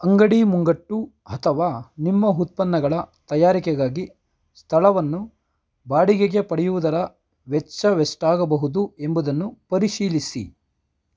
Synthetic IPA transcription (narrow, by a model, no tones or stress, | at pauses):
ɐŋɡɐɽimuŋɡɐʈːu | ɐt̪ʰɐʋaːnimːɐɦut̪̚pɐnːɐɡɐɭɐt̪ɐjaːɾikɛɡaːɡi | st̪ʰɐlɐʋɐnːu | baːɽiɡeɡe̞pɐɽɛjuʋud̪ɐɾɐ | ʋɛt͡ʃːɐʋesʈaːɡɐbɐɦud̪ue̞mbud̪ɐnːupɐɾiʃiːlisḭ